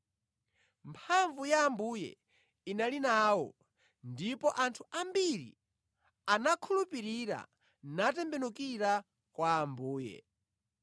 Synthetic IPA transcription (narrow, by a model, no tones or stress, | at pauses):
mpʰaɱvujaːmbujɛ̰ | inalinaːwɔ̰ | ndipɔʔantʰuʔambiɾḭ | anakʰulupiɾiɾa̰ | natɛmbɛnukiɾa | kwaːmbuːjɛ̰